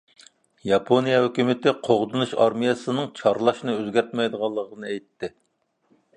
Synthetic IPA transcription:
jɑpʰonijɑhøkʲymɪt̪ɪqʰoʁd̪unuʃɑɾmijɛsɨnɨŋt͡ʃʰɑɾlˠɑʃnɨøzɡʲæɾt̪mɛjd̪əʁɑlˠːəʁənɨɛjt̪ːɪ

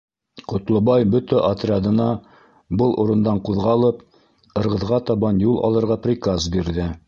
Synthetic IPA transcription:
qŏt̪lˠɤ̆bɑjbɵt̪æʔɐt̪rʲɪad̪ɤ̆nɑ | bɤlˠʔuɾɤ̆nd̪ɑɴquðʁɑlˠɤp | ɤ̆ɾʁɤ̆ðʁɑt̪ɑβɑnjulˠɑ̰lˠɤ̆ɾʁɑprʲikazbiɾðɘ

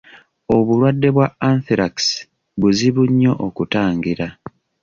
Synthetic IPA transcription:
o̞βulwadːe̞βwaanθiɾaks | βuziβuɲːo̞ʔokutaːŋɡiɾa

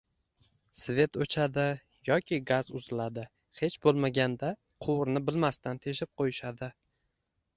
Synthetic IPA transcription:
sve̞t̪ot͡ʃʰad̪ɪ | jɒkʲɪɡazʊzɪlad̪ɪ | he̞t͡ʃbolˠmaɡʲand̪a | qʰowɾnɪbɪlmast̪ant̪ʰe̞ʃɪp̚qʰojɪʃad̪ɪ

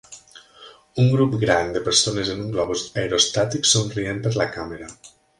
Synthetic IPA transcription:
uŋɡɾupɡɾand̪epeɾsonezenuŋɡlɔβuzajɾost̪at̪iksonrienpeɾlakameɾa

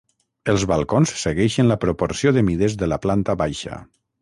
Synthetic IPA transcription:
əlˠzβalˠkonssəɣɛʃənləpɾopoɾsijoðəmiðezðəlaplant̪əβajʃə̰

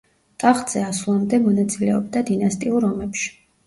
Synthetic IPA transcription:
t̪ʼaχt̪ʼz̥ɛaslˠamd̪ɛmɔnat̪sʼilɛɔb̚d̪ad̪inast̪ʼiuɾɔmɛpʃi̥

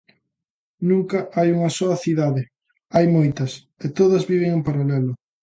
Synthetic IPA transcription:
nũŋkɐʔajuŋɐsɔɐθiðaðɪ | ajmojt̪ɐs | et̪oðɐzβiβ̞eŋempaɾalɛlʊ

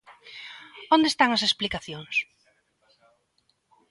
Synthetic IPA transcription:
õnd̪est̪aŋɐsesplikaθjoŋs

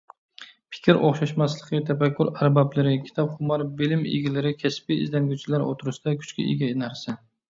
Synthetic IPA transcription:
pʰɪ̥kʲʰɪɾʔo̰χʃaʃmaslˠɨqɨt̪ʰafakʲʰːʊɾaɾbablɪɾɪkʲʰɪ̥t̪ʰɒpχʊmɑɾbɪlɪmḛɡʲɪlɪɾɪkʲʰaspɪ̰ːzd̪aŋɡʲut͡ʃʰɪlaɾʔo̰t̪ʰʊɾɪʃd̪̥akʲʰʊ̥t͡ʃkʲɪ̰ɪ̰ɡʲanaɾsa

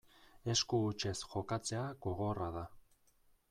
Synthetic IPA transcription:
e̞skuːt͡ʃe̞sxo̞kat͡se̞aɣo̞ɣo̞raða

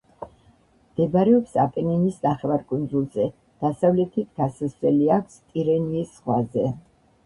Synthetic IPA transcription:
md̪̥ɛbɾɛɔpsapʼɛnɛnisnaχɛvaɾkʼund̪zulˠzɛ | d̪̥asavlɛt̪ʰit̪ʰɡasasɛliakʷʰst̪ʼiɾɛniːsːχwa̰zɛ

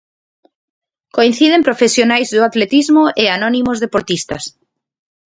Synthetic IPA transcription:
koĩn̟θið̞empɾofesjonajzðʊat̪let̪izmʊʔeanɔnimozðepoɾt̪ist̪ɐs

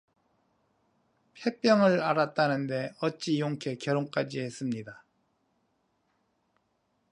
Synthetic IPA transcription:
pʰjep͈jʌŋɯɾaɾat̚t͈anɯnde̞ʌt͡ɕ͈ijoŋkʰe̞kjʌɾoŋk͈ad͡ʑiɦe̞s͈ɯmɲida

